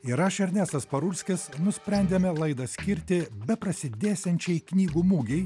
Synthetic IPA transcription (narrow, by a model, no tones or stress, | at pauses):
iɾɑʃʲɛɾʲnʲæːsɐspɐɾʊɾʲsʲkʲɪsnʊsʲpʲɾʲɛnʲd̪ʲeːmʲɛlˠɐɪd̪ɐsʲkʲɪɾʲt̪ʲɪbʲɛpɾɐsʲɪd̪ʲæːsʲɛnʲt͡ʃʲɛɪknʲiːɡuːmuːɡʲɛɪ